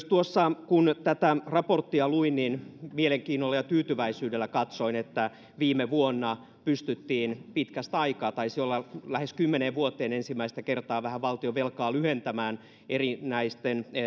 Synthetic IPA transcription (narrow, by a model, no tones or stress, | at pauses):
st̪uosːɑkunt̪æt̪ærɑport̪ːiɑluinninmieleŋkiːnːolːɑjɑt̪yːt̪yʋæisyːdelːækɑt̪soinet̪ːæ | ʋiːmeʋuonːɑ | pyst̪yt̪ːiːnpit̪kæst̪ɑikɑːt̪ɑisiolːɑlæheskymːeneːʋʋuot̪ːˑeːnensimːæist̪ækert̪ɑːʋæhæʋɑlt̪ioʋelkɑːlyhent̪æmæːn | erinæist̪en